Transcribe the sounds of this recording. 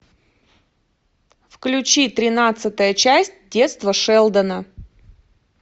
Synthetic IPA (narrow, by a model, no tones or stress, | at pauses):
fklʲʉt͡ɕit̪ɾʲɪnat̪sɨt̪əjət͡ɕæsʲtʲdʲe̞t̪st̪vəʂɛlˠd̪ənə